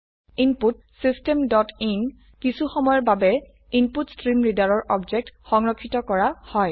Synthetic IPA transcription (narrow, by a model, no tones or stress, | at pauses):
imput̚ | sistemdɔtin | kisuxɔmɔjɔɹbabɛ | inputstɹimɹidaɹɔɹʔɔbzɛk̚txɔŋɹɔkʰːitɔkɔɹahɔj